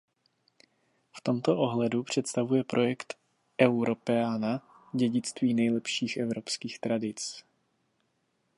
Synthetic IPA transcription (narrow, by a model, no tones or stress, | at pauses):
ft̪o̞mt̪o̞ʔoɦlɛdupr̝̥ɛt̪st̪avujɛpɾʔo̞jɛkt̪ | ʔɛwɾo̞pɛaːna | ɟɛɟɪt͡st̪viːnɛjlɛpʃiːxʔɛvɾopskiːxt̪ɾadɪt͡s